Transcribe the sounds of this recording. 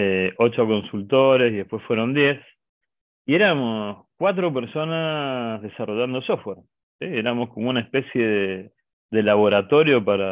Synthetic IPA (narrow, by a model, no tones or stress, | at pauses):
eot͡ʃoko̞nsult̪oɾesiðehpwe̞sfwe̞ɾo̞nd̪je̞s | ieɾamoskwat̪ɾo̞peɾso̞nazðesaro̞ʒand̪osofweɾ | sieɾamo̞skomounaespe̞sje̞ðe | ðe̞laβo̞ɾat̪o̞ɾjo̞paɾa